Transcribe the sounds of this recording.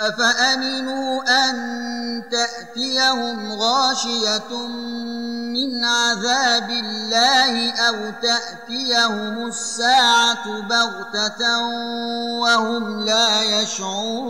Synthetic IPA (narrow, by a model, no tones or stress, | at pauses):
faʔamɪnuːʔant̪aʔt̪ɪjahʊmɣɑːʃɪja | mːɪnʕaðaːbɪlːaːhɪʔawt̪aʔt̪ɪjahʊmʊsːaːʕabart̪a | wahʊmlaːjaʃʕʊɾ